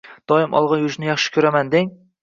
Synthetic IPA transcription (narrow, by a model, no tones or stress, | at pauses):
d̪̥ɒjɪmʔɒ̰lˠʁɑjʊʒnɪjɑχʃɪ̥kʲʰɵɾamand̪eŋ